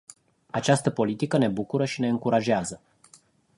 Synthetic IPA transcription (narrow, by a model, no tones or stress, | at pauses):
at͡ʃast̪əpo̞lit̪ikəne̞bukuɾəʃine̞ɨŋkuɾaʒeazə